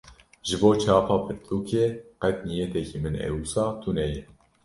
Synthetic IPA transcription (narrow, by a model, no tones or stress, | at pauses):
ʒɨboːt͡ʃʰɑːpɑːpʰɨt̪ʰuːkʰeːqɛt̪nijeːt̪ɛkiːmɨnɛ̰wusɑːt̪ʰunɛjɛ